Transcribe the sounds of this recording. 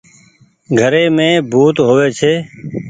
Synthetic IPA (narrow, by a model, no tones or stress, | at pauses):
ɡʱəɾeːmẽːbʱuːt̪ɦoːʋeːt͡ʃʰeː